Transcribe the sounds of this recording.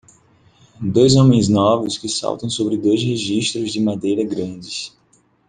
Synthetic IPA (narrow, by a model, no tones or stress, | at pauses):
d̪ojzõmẽj̃znɔvʊskɪsa̰wt̪ɐ̃w̃sobɾɪd̪ojzheʒiʃt̪ɾʊzd͡ʒɪmad̪ejɾɐɡɾɐ̃d͡ʒɪs